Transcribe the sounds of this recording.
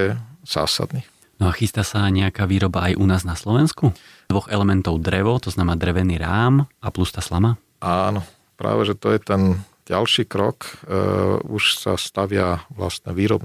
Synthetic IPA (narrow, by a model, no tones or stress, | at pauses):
ɛz̥a̰ːsa̰d̪ni | nɔaxist̪aːsaɲɛakaːʋiːɾɔbaajʔunaːznaslɔʋɛnskud̪ʋɔɣɛlɛmɛnt̪ɔʊd̪ɾɛʋɔt̪ɔznamɛnaːd̪ɾɛʋɛniːɾaːmaplust̪aːslama | ʔaːnɔ | pɾa̰ːʋɛʒɛt̪ɔjɛt̪ɛn | ɟalʃiːkɾɔk | uʃsa̰st̪aʋɪaʋla̰st̪ɲɛʋiːɾɔb